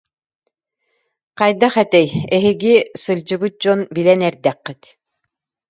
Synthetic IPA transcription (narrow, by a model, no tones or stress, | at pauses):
qɑjd̪aχɛt̪ɛjɛɦiɡisɯlʲd͡ʑɯbɯt̪̚d͡ʑɔnbilɛnɛɾd̪ɛqːit̪